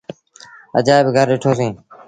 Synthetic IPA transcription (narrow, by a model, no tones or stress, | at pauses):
ə̰d͡ʒaːebɪɡʱəɾɗeːʈʰoːsĩː